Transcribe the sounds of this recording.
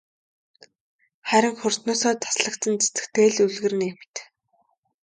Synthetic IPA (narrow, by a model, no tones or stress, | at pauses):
χæɾʲɪ̆ŋxʊr̥t̪nʊːsɔːt̪ʰḁsɮə̆kt̪ə̆nt͡sḁt͡sɘ̥̆kt̪eːɮuɮɣɘ̆rɘ̆nemt̪